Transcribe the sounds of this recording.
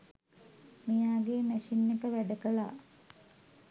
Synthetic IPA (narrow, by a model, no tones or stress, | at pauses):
mijaːɡeːmæʃinːekəʋæɖəkəla̰ː